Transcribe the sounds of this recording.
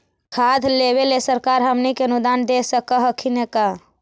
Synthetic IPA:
kʰad̪ʱleβelesəɾkaɾɦəmnikeənud̪and̪esəkəɦəkʰineka

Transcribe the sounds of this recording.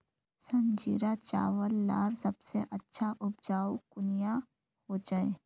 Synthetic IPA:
sɐ̃nd͡ʒiːɾat͡ʃa̰ːʋəlːa̰ːɾsɐbseʔɐtːʃʰaʔʊbd͡ʒaːukʊnija | hod͡ʒaːeː

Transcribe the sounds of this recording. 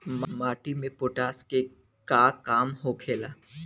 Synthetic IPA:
mmaːʈimẽpʊʈaːske | kaːkaːmɦokʰeːlaː

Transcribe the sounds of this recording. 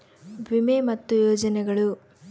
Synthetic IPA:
bʱimemɐt̪ːujɔːd͡ʒɐnɛɡɐɭu

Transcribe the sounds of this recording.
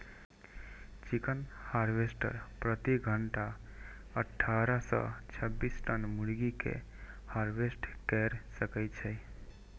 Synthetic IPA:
t͡ʃikənhaɾbesʈə̰ɾpɾət̪iɡʱəɳʈa | əʈʰːaɾəsə̰t͡ʃʰəbːisʈənmuɽɡikḛ | haɾbesʈkɛɾsəkɛjt͡ʃʰəj

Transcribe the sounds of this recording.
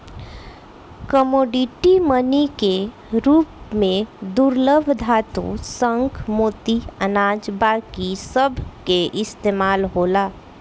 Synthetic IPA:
kəmoːɖiʈimənike | ɾuːpmẽd̪uɾləbʱd̪ʱaːt̪ṵ̃sə̃ŋkʰmoːt̪iənaːd͡ʒbaːkisəbʱkeʔɪst̪eːmaːlɦoːlaː

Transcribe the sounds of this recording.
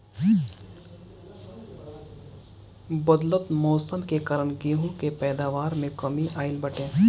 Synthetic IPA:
bɐd̪lət̪moːsəmkekɐɾəɳɡeːɦũkepɛːd̪aːʋaːɾmẽkɐmiʔaːɪlbɐʈẽː

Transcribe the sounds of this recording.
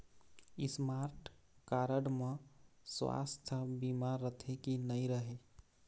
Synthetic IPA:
ismaɾʈkaɾəɽmẽswa̰st̪ʰəbimaɾːət̪ʰekinəiɾəɦe

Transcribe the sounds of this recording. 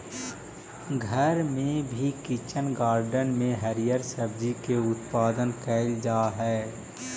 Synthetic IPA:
ɡʱəɾmẽbʱikɪt͡ʃənɡaːɾɖənmẽɦəɾijəɾsəbd͡ʒikeʊt̪paːd̪ənkɛːld͡ʒaːɦɛː

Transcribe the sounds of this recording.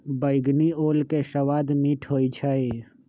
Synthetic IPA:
bəɪɡnioːlkeʃɐʋaːd̪miːʈʰɦoːit͡ʃʰəe

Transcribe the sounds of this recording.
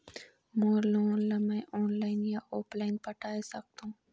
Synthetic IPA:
moːloːnlɐmẽʔoːnlaːɪnjaʔoːplaːɪnpəʈaːesɐk̚t̪ũː

